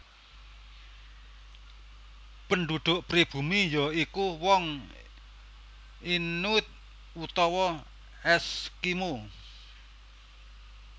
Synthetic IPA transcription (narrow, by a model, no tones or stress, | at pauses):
pənɖ̪ud̪̥ʊ̤ʔpɾib̥ṳmijɔikuwɔŋ | inut̪̚ | ut̪ɔwɔ | ɛskimo